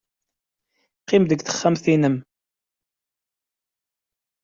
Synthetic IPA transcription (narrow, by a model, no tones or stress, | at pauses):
qːɪmðəɡθə̥χːæmθinəm